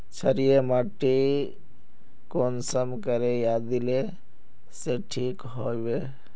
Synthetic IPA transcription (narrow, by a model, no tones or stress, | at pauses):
t͡ʃʰəɾijemaʈi | konsəmkəɾejad̪ile | seʈʰiːkɦojʋe